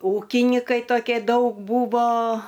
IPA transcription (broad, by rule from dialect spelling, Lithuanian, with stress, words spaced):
ˈuːkʲɪnʲiːkɐɪ toːˈkʲeː ˈdɐʊk ˈbuːʋoː